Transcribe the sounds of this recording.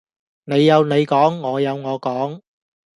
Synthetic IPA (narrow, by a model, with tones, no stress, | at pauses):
ne˨˧jːɐ˨˧wne˨˧jkɔː˨˥ŋːɔː˨˧jɐ˨˧wŋɔː˨˧kɔː˨˥ŋ